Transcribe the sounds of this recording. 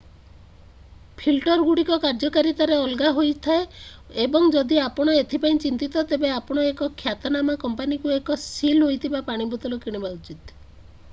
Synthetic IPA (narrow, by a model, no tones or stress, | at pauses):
pʰilʈɔɾɡuɽikɔkaɾd͡ʒɔkaɾit̪aɾeɔlɡaɦojt̪ʰae | ebɔŋd͡ʒɔd̪iapɔɽ̃ɔet̪ʰipaĩt͡ʃint̪it̪ɔt̪ebeapɔɽ̃ɔekɔkʰːjat̪ɔnamakɔmpanikuekɔsilɦojt̪ʰibapaɽ̃ibut̪ɔlɔkiɽ̃ebaut͡ʃit̪